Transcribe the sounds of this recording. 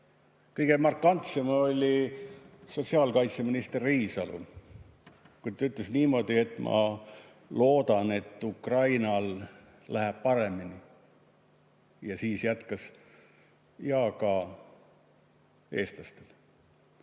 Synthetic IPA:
kɤjɡ̥e̞mɑrkːˑɑnt̪se̞mo̞lʲi | so̞t̪siɑːlkɑjt̪seminist̪erːiːsɑlṵ | kujt̪t̪ːɑyt̪lesniːmo̞ːd̪̥ie̞t̪ːˑmʔɑ̰ | lo̞ːd̪ɑne̞t̪ːˑukrɑjnɑl | læɦæb̥̚pɑɾe̞mini | jɑsiːsjæt̪kɑs | jɑkɑ | e̞ːst̪lɑst̪el

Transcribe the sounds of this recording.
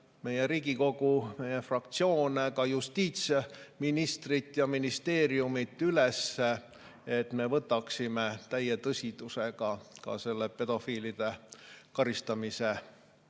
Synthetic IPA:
me̞jeɾiːɡ̥iko̞ɡ̥ume̞jefrɑkt̪sio̞ːnekɑjust̪iːt̪seminist̪rit̪ːˑjɑminist̪e̞ːɾiumit̪ːˑylese | et̪me̞vɤt̪ːˑɑksimet̪æjet̪ɤsʲit̪useɡ̥ɑkɑ̰se̞lːepe̞d̪̥o̞fiːlid̪̥e̞kɑɾist̪ɑmise

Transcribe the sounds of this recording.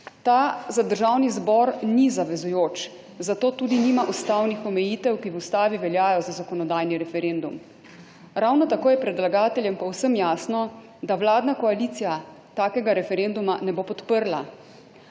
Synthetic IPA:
t̪aːzad̪əɾʒawnizbɔɾnizaʋɛzujoːt͡ʃ | zat̪oːt̪uːd̪iniːmaʔust̪awnixɔmɛjiːt̪ɛwkiʋust̪aːʋiʋɛljaːjɔzazakɔnɔd̪aːjniɾɛfɛɾeːnd̪um | ɾawnɔt̪akoːjɛpɾɛd̪laɡaːt̪ɛljɛmpɔwsəmjaːsnɔ | d̪awlaːd̪nakɔaliːt̪sija | t̪aːkɛɡaɾɛfɛɾend̪umanɛboːpɔt̪pəɾla̰

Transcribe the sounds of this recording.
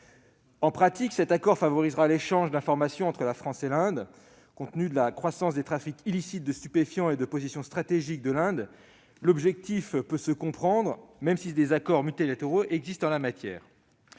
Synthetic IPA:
ɑ̃pχat̪iksɛt̪akɔʁfavɔʁizʁaleʃɑ̃ʒd̪ɛ̃fɔʁmasjɔ̃ɑ̃t̪χəlafχɑ̃selɛ̃d̪ | kɔ̃t̪nyd̪əlakχwasɑ̃sd̪et̪χafikilisit̪̚d̪əst̪ypefjɑ̃ed̪əpozisjɔ̃st̪χat̪eʒik̚d̪əlɛ̃d̪ | lɔbʒɛk̚t̪ifpøsəkɔ̃pχɑ̃d̪ʁmɛmsid̪ezakɔʁmyt̪ilat̪eʁoʔɛɡzist̪ɑ̃lamat̪jɛ̰ːʁ

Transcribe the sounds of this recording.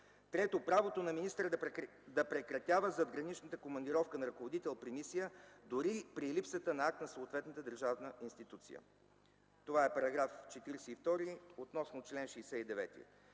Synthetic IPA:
t̪ɾɛt̪opɾavot̪onɐminist̪ɾəd̪ | d̪ɐpɾɛkɾɐt̪ʲjavəzɐd̪ɡɾɐnit͡ʃnət̪əkomɐnd̪iɾɔfkənɐɾɐkovod̪it̪ɛlˠpɾimisijəd̪oɾipɾilipsət̪ənɐak̚t̪nɐsoːt̪vɛt̪nət̪əd̪əɾʒavnəʔinst̪it̪ut̪sḭjə̰ | t̪ovaɛpɐɾɐɡɾaft͡ʃɛt̪iɾɛsɛift̪ɔɾiot̪nɔsnot͡ʃlɛnʃɛjsɛid̪ɛvɛ̰t̪ḭ

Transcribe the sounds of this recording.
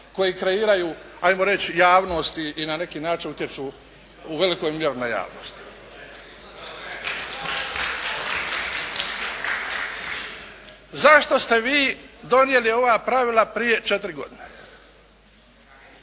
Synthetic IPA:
ko̞jikɾe̞iːɾajuːajmoɾe̞t͡ɕjaːʋno̞st̪iinane̞kiːnaːt͡ʃinut̪je̞t͡ʃuː | ʋe̞liko̞jmje̞ɾunaja̰ːʋno̰st̪ | zaʃt̪o̞st̪e̞ʋiːd̪o̞nje̞lio̞ʋaːpɾaʋilˠapɾije̞t͡ʃet̪ɾiɡo̞̰d̪ine

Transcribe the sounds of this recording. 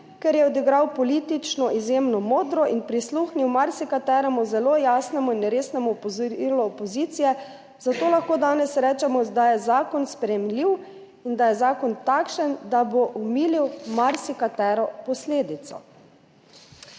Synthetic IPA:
kɛɾjɛɔd̪iɡɾawpɔlit̪it͡ʃnɔʔizjeːmnɔmoːd̪ɾɔʔinpɾisluxniwmaɾsikat̪ɛːɾɛmuzɛloːjaːsnɛmuinɾeːsnɛmupɔzilɔːpɔziːt̪sijɛ | zat̪oːlaxkoːd̪aːnɛsɾɛːt͡ʃɛmɔd̪ajɛzaːkɔnspɾɛjɛmliw | ind̪ajɛzaːkɔnt̪akʃənd̪aboʔumiːliwmaɾsikat̪ɛːɾɔpɔsleːd̪it̪sɔ̰

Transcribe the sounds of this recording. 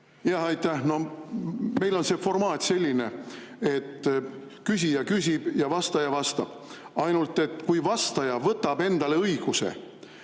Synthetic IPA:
jɑhɑjt̪ːæhno̞ | me̞jlo̞nse̞ːfo̞rmɑːt̪ʲse̞lʲːine̞e̞t̪ː | kysʲijɑkys̬ʲib̥jɑvɑst̪ɑjɑvɑst̪ɑb̥ | ɑjnult̪ːˑe̞t̪ːˑkujvɑst̪ɑjɑvɤt̪ːɑb̥e̞nd̪̥ɑle̞ɤjɡ̥use̞̰

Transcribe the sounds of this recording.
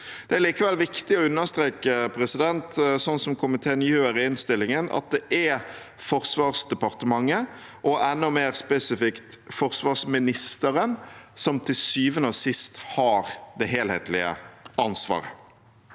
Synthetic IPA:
d̪̥ɛæɾliːkəʋɛlʋɪkt̪ɪɔʉnːəʁst̪ɾeːkəpʰɾɛsɪd̪ɛnt̪sɔnsɔmkʰʊmɪt̪ʰeːnjøːəɾɪɪnst̪ɪlːɪŋənɑ̰t̪̚d̪ɛʔɛ | fɔɾsʋɑːʁsd̪ɛpɑʁt̪əmɑŋːə | ʔɔʔɛnːʊmeːɾspɛsɪfɪkt̪ | fɔʁsʋɑːʁsmɪnɪst̪əɾənsɔmt̪ʰɪlsyːʋənɔsɪst̪hɑːɾd̪ɛɦeːlhḛːt̪ʰlɪə̰ɑnsʋɑ̰ːɾə̰

